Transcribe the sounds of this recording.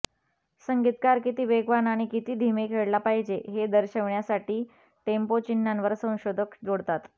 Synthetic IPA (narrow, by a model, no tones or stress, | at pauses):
səŋɡit̪kaɾkit̪iːʋeɡʋanaɽ̃ikit̪iːd̪ʱimekʰeɽlapaɦid͡ʑeɦed̪əɾɕəʋɳjasaʈiː | ʈempot͡ɕinːanʋəɾsə̃w̃ɕod̪ʱəkd͡zoɽt̪at̪